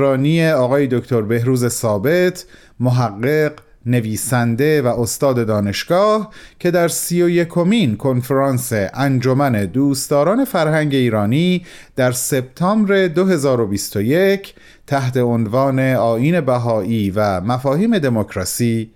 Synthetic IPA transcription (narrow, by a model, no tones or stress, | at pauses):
ɾɒːnieɒːɣɒːje̞d̪ocʰt̪ʰo̞ɾbe̞ɦɾuːze̞sɒːbe̞t̪ʰ | moɦæɣːe̞ɢ | ne̞viːsænd̪e̞væʔost̪ɒːd̪e̞d̪ɒːne̞ʃɡ̥ɒːhcʰe̞d̪æɾsiːjo̞je̞kʰo̞miːnkʰo̞nfeɾɑːnse̞ʔænd͡ʒo̞mæned̪uːst̪t̪ɒːɾɒːne̞fæɾhæŋɟe̞iːɾɒːniːd̪̥æɾse̞b̚t̪ʰɒːmbɾe̞d̪oɦe̞zɒːɾo̞bist̪oje̞cʰ | t̪ʰæht̪ʰe̞onvɒːne̞ɒːiːne̞bæɦɒːʔiːvæmæfɒːhiːme̞d̪e̞mokʰɾɒːsiː